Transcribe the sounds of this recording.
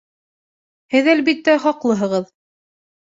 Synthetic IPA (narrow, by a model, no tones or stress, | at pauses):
hɘðælbit̪ːæχɑqlˠɤɦɤ̆ʁɤð